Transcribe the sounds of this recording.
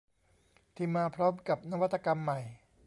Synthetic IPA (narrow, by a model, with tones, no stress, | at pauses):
t̪ʰiː˧˩mːaː˧pʰɾɔː˦˥mka˨˩p̚na˦˥wa˥t̪ʰːa˧ka˧mːa˨˩j